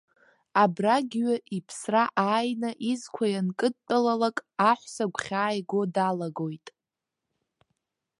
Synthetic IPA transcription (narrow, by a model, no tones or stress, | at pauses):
abraɡʲɥaipʰsraʔaːjnaʔizkʷʰajankʼɨd̚tʼalalakʼaħʷsaɡʷχʲaːjɡʷo̞dalaɡo̞jtʼ